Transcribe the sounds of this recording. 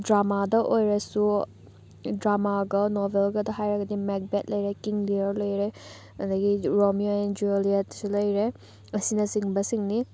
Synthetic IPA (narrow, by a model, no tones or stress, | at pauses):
dɾamadɐʔojɾɐsu | dɾamaɡɐnɔbʱelɡɐdɐɦajɾɐɡɐdimek̚bet̚lɐjɾekiŋliɐɾlojɾe | ɐ̰dɐɡiɾomjoend͡ʒuelietsulɐjɾe | ɐsinɐsiŋbɐsiŋni